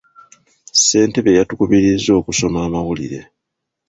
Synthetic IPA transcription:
se̞ːnte̞βejatukuβiɾizːo̞ːkuso̞maːmawulḭɾe̞̰

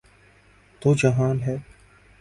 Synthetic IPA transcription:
t̪oːd͡ʒɐɦaːnɦɛː

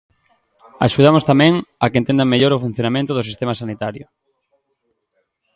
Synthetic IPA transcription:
a̰ʃuð̞amʊst̪amɛ̃ŋakent̪ẽnd̪aŋmeʎoɾʊfun̟θjonamẽnt̪ʊðʊsist̪emasanit̪aɾjʊ̰

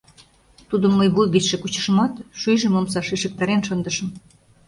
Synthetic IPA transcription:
t̪ud̪əmːəjβujɡit͡sʃekut͡ɕə̥̆ʃmɑt̪ʃyjʒĕmomsɑʃiʃə̆k̚t̪ɑɾenʃənd̪ə̆ʃə̆m

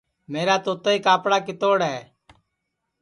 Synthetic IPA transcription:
meːɾaːt̪oːt̪əiːkaːpɽaːk̬ɪt̪oːɽɦɛː

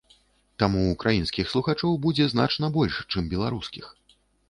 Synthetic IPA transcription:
t̪amuːkɾajin̪skʲixslˠuxat͡ʂɔwbud͡zʲɛzna̰t͡ʂnɐbɔlʲʂt͡ʂɨmbʲɛlˠaɾuskʲix

